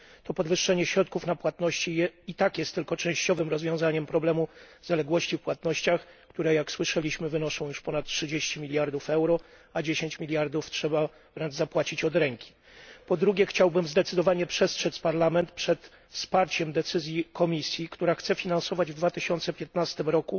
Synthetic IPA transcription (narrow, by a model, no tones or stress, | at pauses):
t̪ɔpɔd̪vɘʂːɛɲɛɕɾɔt̪̚kufnapwat̪nɔɕt͡ɕiɛit̪akjɛst̪ːɘlkɔt͡ʂɛ̃w̃ɕt͡ɕɔvɘmɾɔzvʲjɔ̃w̃zaɲɛmpɾɔblɛmu | zalɛɡwɔɕt͡ɕifpwat̪nɔɕt͡ɕax | kt̪uɾɛjakswɘʂɛlʲiɕmɘvɘnɔʂɔ̃w̃juʂpɔnat̪̚tʂɘd͡ʑeɕt͡ɕimʲilʲjaɾd̪ufɛwɾɔ | ad͡ʑeɕeɲt͡ɕmʲilʲjaɾd̪uftʂɛba | vɾɛnʐzapwat͡ɕit͡ɕɔd̪ɾɛŋkʲi̥ | pɔd̪ɾuɡʲjɛxt͡ɕawbɘmzd̪ɛt̪sɘd̪ɔvaɲɛpʂɛstʂɛt̪spaɾlamɛnt̪pʂɛt̪ | fspaɾt͡ɕɛmd̪ɛt̪sɘzʲjikɔmʲisʲjikt̪uɾaxt̪sɛfʲinansɔvad͡ʑvd̪vat̪ɘɕɔnt̪sɛpʲjɛt̪nast̪ɘmɾɔku